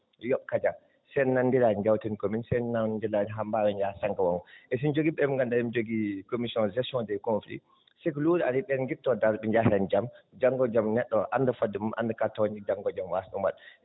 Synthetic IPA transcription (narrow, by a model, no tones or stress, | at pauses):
jɔɓkad͡ʒa | sɛnandilad͡ʒd͡ʒawtinkominsɛjnandilad͡ʒiɦambaːwɛɲd͡ʒasaŋɡawɔŋɡɔʔɛsind͡ʒoɡiɓɛmŋɡandaɛmd͡ʒoɡikomisiɔnzɛsɔndɛkonflḭ | sɛkluɾaɾiɓɛnɡitːɔdaɾɓɛɲd͡ʒahɛnd͡ʒamd͡ʒaŋɡɔd͡ʒamnɛɗːɔʔandafadumumʔa̰ndakatɔwnid͡ʒaŋɡɔd͡ʒamwasɗumbaɗ